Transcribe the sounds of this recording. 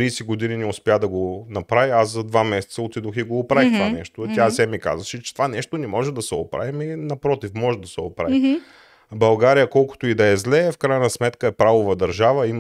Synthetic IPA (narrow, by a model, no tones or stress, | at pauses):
ɾiːsɛɡod̪ininɛʊspʲjad̪ɐɡonɐpɾaviaszɐd̪vamɛsɛt̪səot̪id̪oxiɡoːpɾavit̪ovanɛʃt̪ot̪ʲjazɛmika̰zvəʃɛt͡ʃɛ̥t̪ovanɛʃt̪onɛmɔʒɛd̪ɐsɛo̰pɾa̰vimɛnɐpɾɔt̪ifmɔʒɛd̪ɐsɛopɾa̰vi | bɐlˠɡaɾijəkɔlˠko̥t̪oid̪ɐɛzlɛfkɾajənɐsmɛt̪kəɛpɾavovɐd̪ɐɾʒavəim